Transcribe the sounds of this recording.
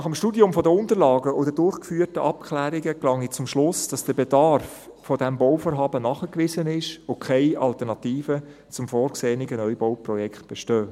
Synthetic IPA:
nɑχəmʃtuːdiʊmfɔdəʊntəɾlɑːɡəodədʊɾχkfyːərtəʔɑpkχlæːɾiɡəklɑŋit͡sʊmʃlʊsd̥ɑsd̥əbedɑɾffɔdɛmbowfoːɾɦɑːbənɑχəkʋɪzənɪʃokʰaɪʔɑlt̪əɾnɑt̪iːfə | t͡sʊmfɔːɾkseːniɡənœʏbowprɔjɛkt̚b̥ɛʃtøː

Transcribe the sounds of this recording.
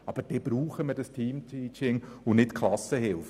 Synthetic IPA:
ɑb̥əd̥ɛb̥ɾuːχəmədɑstʰiːmtʰiːt͡ʃɪŋʊnɪtkʰlɑsəhɪlf

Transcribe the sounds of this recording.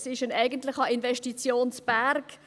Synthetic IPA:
sɪʃənæɪɡəntlɪχɑinvɛʃtit͡sjoːnsb̥æɾk

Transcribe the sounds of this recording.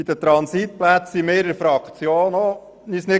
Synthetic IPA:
id̪ət̪ɾɑnsit̪̚plæt͡simeːɾəɾfɾɑkt͡sjoːnɔ | nisnɪ

